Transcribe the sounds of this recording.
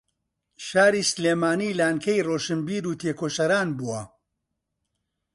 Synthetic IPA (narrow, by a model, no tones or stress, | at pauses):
ʃaːɾiːsleːmaːnilaːnkʰɐjroːʃɨnbiːɾuːt̪ʰeːkʰoːʃɐɾaːnbuwɐ